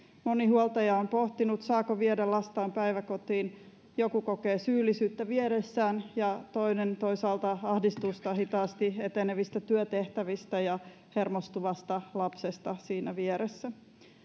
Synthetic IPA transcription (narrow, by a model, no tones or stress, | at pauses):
mo̞nihuolt̪ɑjɑompo̞ht̪inut̪sɑːkoʋiedelːɑst̪ɑːmpæjʋækot̪iːn | jokukokeːsyːlːisyːt̪ːæʋieɾesːæːnjɑt̪o̞inent̪o̞isɑːlt̪ɑɑhdist̪ust̪ɑhit̪ɑːst̪iet̪eneʋist̪æt̪yøt̪eht̪æʋist̪æjɑ | hermost̪uʋɑst̪ɑlɑpsest̪ɑsiːnæʋieɾesːæ